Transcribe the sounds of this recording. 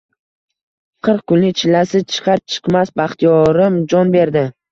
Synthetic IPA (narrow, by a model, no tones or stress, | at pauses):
qʰɨɾqkʰʊnlɪt͡ʃʰɪlːasɪt͡ʃʰɨ̥qʰɑɾt͡ʃʰɨ̥qmasbaχt̪ʰijɒɾɪmd͡ʒɒnbe̞ɾd̪ɪ